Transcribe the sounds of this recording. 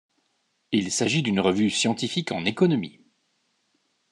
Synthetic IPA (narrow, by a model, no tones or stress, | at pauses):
ilsaʒid̪ynʁəvysjɑ̃t̪ifikɑ̰̃nekɔnɔmḭ